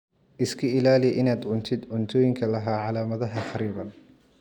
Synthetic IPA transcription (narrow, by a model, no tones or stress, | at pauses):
ʔɪskʰɐɪlaːlɪʔɪnaːd̪ʕʊnt̪ʰɪd̪ʕʊnt̪ʰɔːjɪŋkʰɐlɐɦaːʕɑlaːmɐðɐɦɐχɑɾiːβɐn